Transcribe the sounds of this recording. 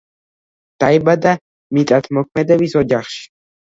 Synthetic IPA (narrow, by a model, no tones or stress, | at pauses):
d̪̥aibad̪a | mit̪ʼat̪ʰmɔkʰmɛd̪ɛbisɔd͡ʒaχʃi̥